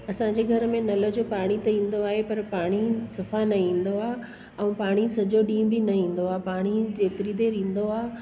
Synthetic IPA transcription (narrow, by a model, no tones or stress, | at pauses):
ɐsãɲd͡ʑeɡʱɐɾəmẽnɐlə̆d͡ʑoːpaːɽ̃it̪ɐĩːn̆d̪oaːɦepɐɾpaːɽ̃isɐfanɐĩːn̆d̪oaː | ɛ̃ũːpaːɽ̃isɐd͡ʑoɗĩːmbɪnɐĩːn̆d̪oaːpaːɽ̃id͡ʑeːt̪ɪɾid̪eɾĩːn̆d̪oaː